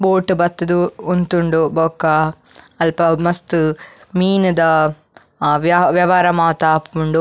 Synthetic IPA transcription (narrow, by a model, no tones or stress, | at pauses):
boːʈːubɐt̪ːɐd̪uunt̪uɳɖuboːkːɐ | ɐlpɐmɐst̪umiːnud̪ɐ | ʋʋjɐʋaːɾɐmaːt̪aːpkuɳɖu